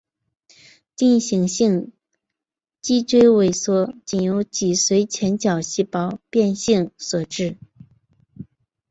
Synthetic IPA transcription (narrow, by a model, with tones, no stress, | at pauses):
t̪i˥˩ŋɕi˧˥ŋɕi˥˧ŋ | t͡ɕi˥˧ʈ͡ʂwe˥ɪwe˨˩ɪswɔ˥˩t͡ɕi˨˩njo˧˥ʊt͡ɕi˨˩swe˧˥ɪt͡ɕʰjɛ˧˥nt͡ɕjɑ˨˩ʊɕi˥˩pɑ˥ʊpjɛ˥˧nɕi˥˩ŋswɔ˨˩ʈ͡ʂɻ̩˥˩